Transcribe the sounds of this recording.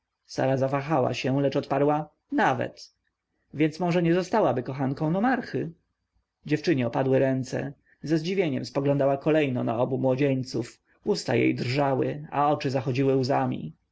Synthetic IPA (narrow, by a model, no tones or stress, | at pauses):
sa̰ɾazavaxawa̰ɕɛlɛt͡ʂɔt̪paɾwa | navɛ̰t̪ | vʲjɛnt̪smɔʐɛɲɛzɔst̪awabɘkɔxankɔ̃w̃nɔmaɾxɘ | d͡ʑɛft͡ʂɘɲɛɔpad̪wɘɾɛnt̪sɛ̰ | zɛzd͡ʑivʲjeɲɛmspɔɡlɔnd̪awakɔlɛjnɔna̰ɔbumwɔd͡ʑeɲt̪suf | ust̪a̰jḛjd̪rʐawɘ̰a̰ɔt͡ʂɘzaxɔd͡ʑiwɘuzamʲḭ